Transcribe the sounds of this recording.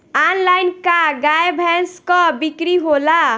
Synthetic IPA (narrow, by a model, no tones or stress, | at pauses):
anlajnkaɡajbʱɛnskɔbikɾiɦola